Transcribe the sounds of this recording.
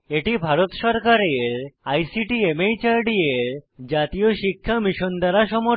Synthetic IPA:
eʈibʱaɾot̪ʃɔɾkaɾeɾajsiʈiemejt͡ɕaɾɖieɾd͡ʑat̪ioʃikʰːamiʃond̪aɾaʃɔmo

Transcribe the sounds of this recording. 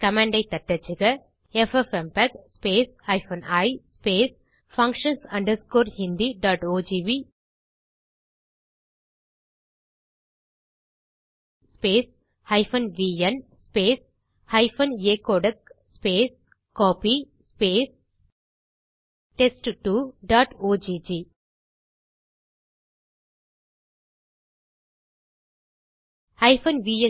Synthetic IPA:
kɐmẽɳɖɐɪt̪ɐʈːɐt͡ʃːiɡɐ | efefempɐkspeːsɐjfɐnɐjspeːs | fɐ̃ŋkʂɐnsɐɳɖɐɾskoːɾhind̪iɖaːʈoːd͡ʒiːʋi | speːs | hɐɪfɐnʋiːɐnspeːs | hɐɪfʰɐneːkoːɖəkspeːs | kɔːpi | speːs | ʈesʈʈuɖaːʈoːd͡ʒiːd͡ʒiː | hɐɪfɐnʋiːjə̃

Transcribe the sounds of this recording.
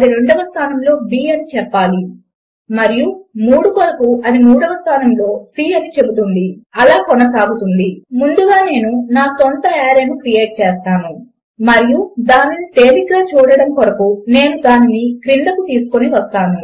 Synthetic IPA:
ɐd̪iɾe̞ɳɖɐʋɐst̪ʰaːnɐmlo̞ːbiːɐnit͡ʃɛpːaːli | mɐɾijumuːɽukɔɾɐkuɐnimuːɽɐʋɐst̪ʰaːnɐmlo̞ːsiːɐnit͡ʃe̞but̪und̪iɐlaːkɔnɐsaːɡut̪und̪imund̪uɡaːne̞ːnunaːsɔnt̪ɐaːɾeːnukɾije̞ːʈ̚t͡ʃeːst̪aːnu | mɐɾijud̪aːninit̪e̞ːlikɡaːt͡ʃuːɽɐɽɐmkɔɾɐkune̞ːnud̪aːninikɾiɳɖ̪ɐkut̪iːsu̥ko̞niʋɐst̪aːnu

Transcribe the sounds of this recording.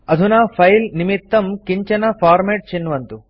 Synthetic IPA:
ɐd̪ʱunaːpʰɐjlnimit̪ːɐmkiɲt͡ʃɐnɐpʰaːɾmeːʈ̚t͡ʃinːʋɐnt̪u

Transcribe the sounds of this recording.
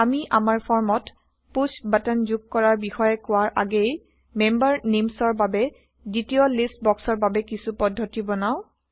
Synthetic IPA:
amiʔamaɹpʰɔɹmɔt | pusbatanzuɡ̚kɔɹaɹbixɔjɛkʊwaɹʔa̰ɡej | membaɹnemsɔɹbabɛ | zitiɔlistbɔksɔɹbabɛkisupɔdʱːɔtibɔnaʊ̃

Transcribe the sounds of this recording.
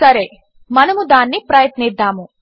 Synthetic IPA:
sɐɾe | mɐnɐmud̪aːnːipɾɐjɐt̪nid̪ːaːmu

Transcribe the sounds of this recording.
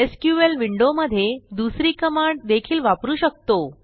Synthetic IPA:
eskjuʋelʋiɳɖoməd̪ʱːjed̪usɾiːkəmaɳɖd̪ekʰiːlʋapɾuːɕək̚t̪o

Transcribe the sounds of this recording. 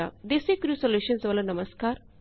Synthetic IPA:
a̰d̪esekɾuːsoljuʃənsʋalanɐməskaːɾ

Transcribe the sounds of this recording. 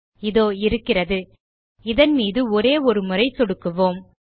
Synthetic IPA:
ɪðoːɪɾɯkːɪrɐðɯ | ɪðɐnmiːðɯɔɾeːɔɾɯmɯrɐɪsɔɽɯkːɯʋoːm

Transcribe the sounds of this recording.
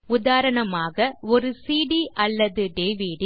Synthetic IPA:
ʊðaːɾɐɳɐmaːɣɐɔɾɯsiːɽiʔɐlːɐðɯɖeːʋiɖ

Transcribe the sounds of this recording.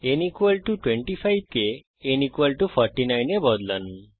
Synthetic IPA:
enikwalʈuʈweɳʈipʰajb̚keː | nikwalʈupʰɔɾʈinajnebɔd̪lani

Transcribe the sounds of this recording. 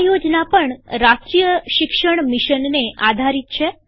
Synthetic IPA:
jod͡ʒnapəɳɾaskijəʃɪkʃəɳmiʃənːeʔad̪ʱaɾit̪̚t͡ʃʰe

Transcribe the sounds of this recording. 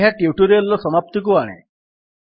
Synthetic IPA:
ɦaʈjuʈuɾiɔlɔsɔmap̚t̪ik̬uaɽ̃ḛ

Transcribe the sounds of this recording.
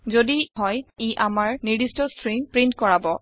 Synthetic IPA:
zodiɦɔjiʔamaɹniɹdistɔstʰɹiŋpɹintkɔɹabɔ

